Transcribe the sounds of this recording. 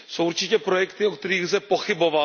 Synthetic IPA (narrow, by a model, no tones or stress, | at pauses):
so̞wʔuɾt͡ʃɪcɛpɾojɛkt̪ɪok̚t̪ɛɾiːɣzɛpo̞xɪbo̞va